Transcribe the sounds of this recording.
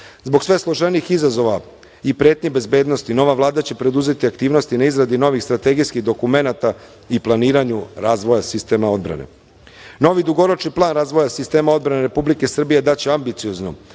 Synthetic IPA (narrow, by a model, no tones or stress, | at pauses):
zbo̞ɡsʋe̞slˠoʒenixizazo̞ʋa | ipɾeːt̪ɲibe̞zbe̞ːd̪no̞st̪ino̞ʋavlˠaːd̪at͡ɕe̞pɾe̞d̪uze̞t̪iakt̪iːʋno̞st̪inaizɾad̪ino̞ʋixst̪ɾat̪e̞ɡijskiɣd̪o̞kume̞nat̪a | iplˠaniːɾaɲuɾaːzʋojasist̪e̞ːmao̞d̪bɾa̰nḛ | no̞ʋid̪uɡo̞ɾot͡ʃniplˠaːnɾaːzʋo̞jasist̪e̞ːmao̞d̪bɾane̞ɾe̞publike̞sr̩bije̞d̪at͡ɕeambit̪siozno